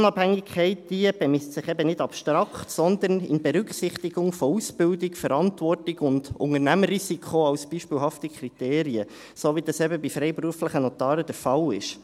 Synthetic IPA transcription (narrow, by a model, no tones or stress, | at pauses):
ʊnɑphæŋːɪkʰχɛɪt̚d̥iəb̥ɛmɪstsɪχɛbənɪdɑpʃtɾɑkχtsɔnd̪ənɪ̰nbɛɾʏkχsɪχt̪iɡ̥ʊŋfousb̥ɪldɪkfəɾɑntvɔrtɪɡʊndʊ̰ŋəɾnæmərisikʰχoɑwsb̥iːʃpɪːlɦɑftikχɾiteːɾiə | soːʋidɑsɛbəbifɾɛɪpɾuəfləχənot̪ɑːɾəd̥əɾfɑlɪʃ